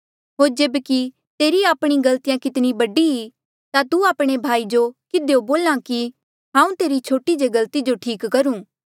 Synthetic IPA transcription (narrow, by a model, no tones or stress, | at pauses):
ɦoːɾd͡ʒeːbki | t̪eːɾiaːpɽ̃iɡɐlt̪ijãkɪt̪nibɐɖiɦi | t̪at̪uaːpɽ̃ebʱaːid͡ʒokɪd̪eoboːlãki | ɦãːũt̪eːɾit͡ʃʰoːʈid͡ʒeɡɐlt̪id͡ʒoʈʰiːkːɐɾũː